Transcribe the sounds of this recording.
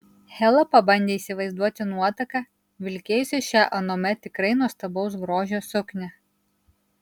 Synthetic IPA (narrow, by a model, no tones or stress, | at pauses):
hʲɛlˠɐpɐbɐnʲd̪ʲeːiːsʲɪʋɐɪzd̪uɔt̪ʲɪnuɔt̪ɐkɑ | ʋʲɪlʲkʲeːjʊsʲɛʃʲæʔɐnoːmʲɛt̪ʲɪkɾɐɪnuɔst̪ɐbɒʊs̬ɡɾoːʒʲoːsʊknʲɛ